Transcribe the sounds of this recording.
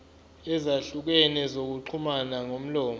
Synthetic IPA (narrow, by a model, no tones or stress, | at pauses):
ɛzaɬuk̬ɛnɛzok̬uǃʰumanaŋom̩lɔːm